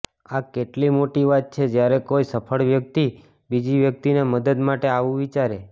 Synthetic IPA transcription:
akeʈlimoʈiʋat̪̚t͡ʃʰed͡ʒjaɾekoisəpʰəɭʋjək̚t̪i | bid͡ʒiʋjək̚t̪ineməd̪əd̪maʈeaʋũʋit͡ʃaɾe

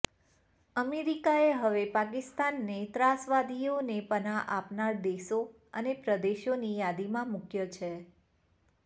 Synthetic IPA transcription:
əmeɾikaeɦəʋepak̬ɪst̪anːet̪ɾasʋad̪ʱijonepənaʔapnaɾd̪eʃo | ənepɾəd̪eʃonijad̪imãmukjət͡ʃʰe

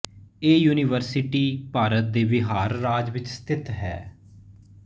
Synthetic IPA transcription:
eːjuːnɪːʋəɾsɪʈiːpaːɾət̪̚d̪eːbɪɦaːɾːaːd͡ʒʋɪt͡ʃst̪ʰɪt̪ɦɛ̰ː

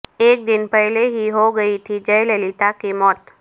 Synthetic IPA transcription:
eːk̚d̪ɪnpəɦleɦiɦoɡəit̪ʰid͡ʒəjlelit̪akimɔːt̪

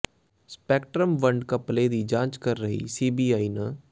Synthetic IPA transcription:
spɛːkʈɾəmʋəɳɖkəpleːd̪iːd͡ʒãːt͡ʃkəɾːəɦḭːsiːbiːaːiːnə

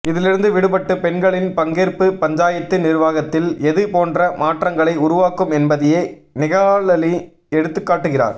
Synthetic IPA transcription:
ɪðɪlɪɾɯnd̪ɯʋɪɽɯpɐʈːɯpɛnɡɐɭɪnpɐŋɡeːrpɯpɐɲd͡ʒaːjɐt̪ːɯnɪrʋaːɣɐt̪ːɪlɛðɯpoːndrɐmaːʈrɐŋɡɐɭɐɪʊɾʊʋaːkːɯmɛnbɐðɪjeː | nɪɣɐːɭɐli | ɛɽɯt̪ːɯkːaːʈːɯɣɪra̰ːɾ

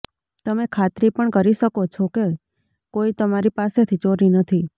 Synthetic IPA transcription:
t̪əmekʰat̪ɾipəɳkəɾiʃəkot͡ʃʰɔke | koit̪əmaɾipaset̪ʰit͡ʃoɾinət̪ʰi

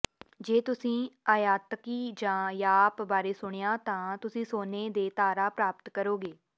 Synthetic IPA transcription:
d͡ʒeːt̪ʊsĩːaːjaːt̪kiːd͡ʒãːjaːpbaːɾeːsʊɽ̃ejãːt̪ãːt̪ʊsĩːsoːneːd̪eːt̪aːɾaːpɾaːpət̪kəɾoːɡeː

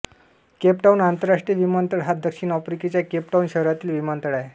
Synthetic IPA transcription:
kepʈaunant̪əɾaʂʈɾiəʋimənt̪əɽɦat̪̚d̪əkɕiːnɔfɾiket͡ɕjakep̚ʈaunɕəɦɾat̪iːlʋimənt̪əɽaje

